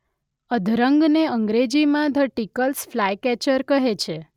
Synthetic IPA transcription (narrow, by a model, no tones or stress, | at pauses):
əd̪ʱɾəŋɡneəŋɡɾed͡ʒimãd̪ʱəʈikəlsflajkɛt͡ʃəɾkəɦet͡ʃʰe